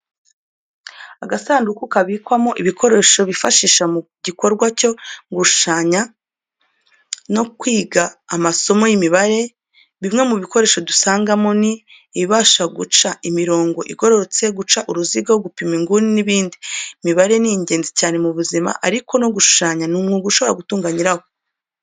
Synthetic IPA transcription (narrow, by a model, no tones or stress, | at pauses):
aɡasaːndukukaβiːkwamo̞ʔiβikʰo̞ɾe̞ʃo̞βifaʃiːʃamuɟiko̞ɾɡwaco̞ŋɡuʃu̥ʃaːɲa | no̞kwiːɡaːmaso̞mo̞jimiβaɾe̞ | βimŋe̞muβiko̞ɾe̞ːʃo̞dusaːŋɡamo̞niː | βaːʃaɡṵt͡ʃaʔimiɾo̞ːŋɡo̞ʔiɡo̞ɾo̞t͡se̞ɡut͡ʃaʔuɾuziɡaoɡupimiŋɡuniniβiːndimiβaɾe̞niɲɟe̞ːnzicaːne̞muβuzima̰ʔaɾiko̞no̞ɡuʃu̥ʃaːɲanumŋuɡuʃo̞βoɾaɡutuːŋɡaɲiɾaho